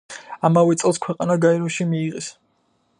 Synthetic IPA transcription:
amavɛt̪sʼɛlˠskʰwɛqʼanaɡaɛɾɔʃimiːʁɛs

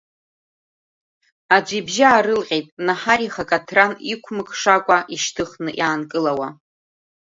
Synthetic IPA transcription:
ad͡ʒʷibʒaaːɾɨlqʲʼejtʼnaħaɾiχakʼatʰranikʷʰmɨkʰʼʂakʷʼaʔiʃtʰɨχnɨʔjaːnkʼɨlawa

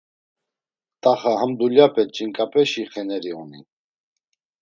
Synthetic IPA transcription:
t̪ʼaχaɦəmd̪uljapʰʼɛt͡ʃʼiŋkʼapʼɛʃiχɛnɛɾiuni

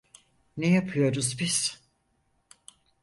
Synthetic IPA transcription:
nejapʰɯjo̞ɾuzbiz̥

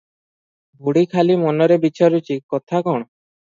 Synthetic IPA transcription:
bʱuɽikʰalimɔnɔɾebit͡ʃʰɔɾut͡ʃikɔt̪ʰakɔɽ̃ɔ

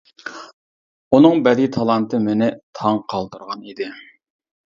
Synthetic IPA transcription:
unɨŋbɛd̪it̪ʰɑlˠɑnt̪ʰɨmɪnɪt̪ʰɑŋqʰɑlˠt̪uɾʁɑnid̪ɪ

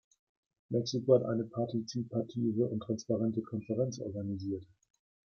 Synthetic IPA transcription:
mʔɛksikohatʔa̰ɪnəpʰaɐtit͡sipʰatʰiːvəʊ̰ntːʁ̥anspaʁɛntəkʰɔnfəʁɛnt͡sʔɔ̰ɐɡaniziːɐt

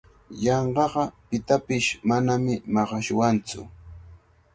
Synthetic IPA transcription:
jɑɴɢɑɢɑpɪt̪apɪʃmanamɪmɑɢɑʃwant͡sʊ̰

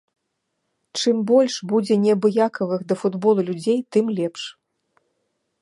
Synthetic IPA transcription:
t͡ʂɨmbɔlʲʂbud͡zʲɛnʲɛbɨjakɐvɨxd̪ɐfud̪bɔlˠulʲud͡zʲejt̪ɨmlʲɛpʂ

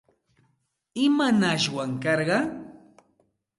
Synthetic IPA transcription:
ɪmanaʃwaŋkɑɾɢɑ

